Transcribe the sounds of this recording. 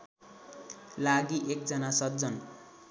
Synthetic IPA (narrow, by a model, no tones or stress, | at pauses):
laɡiʔek̚d͡zʌnasʌt̪̚d͡zʌn